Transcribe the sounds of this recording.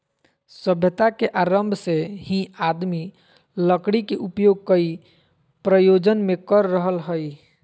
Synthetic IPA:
səbʱjət̪akeʔaɾəmbʱsehĩad̪mi | ləkɽikeʔupjoɡ̚kəi | pɾəjod͡ʒənmekəɾːəɦəlɦəj

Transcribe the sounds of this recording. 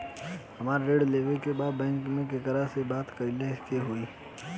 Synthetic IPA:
hɐmaːɾɾeːɖleːʋekebaːd̪̚bɛ̃ːŋkmẽkek̪əɾəsebaːt̪kɐilekeɦoiː

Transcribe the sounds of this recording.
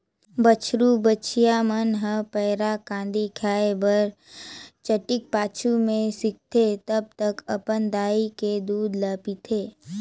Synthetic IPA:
bət͡ʃʰɾubət͡ʃʰijamənɦə̃pɛːɾakãːnd̪ikʰjaːebəɾ | t͡ʃəʈɪk̚paːt͡ʃʰumẽsɪk̚t̪et̪əb̚t̪əkɐpənd̪aːiked̪uːd̪laːpit̪ʰeː

